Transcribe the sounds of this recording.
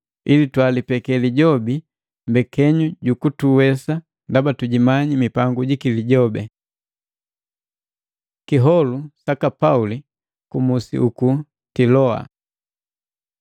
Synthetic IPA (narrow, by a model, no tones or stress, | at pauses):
ilitwalipɛkɛliɟɔbi | mbɛkɛɲuɟukutuwɛsa | ndabatuɟimaɲimipaŋɡuɟikiliɟɔbɛ | kiɦɔlusakapauli | kumusḭʔuku | tilɔa̰